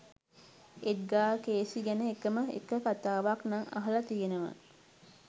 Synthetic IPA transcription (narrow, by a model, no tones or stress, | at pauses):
et̪̚ɡaːkeːsiɡænəekəməḛkəkat̪aːʋaknaŋɐ̰ɦɐlɐt̪ijenəʋə̰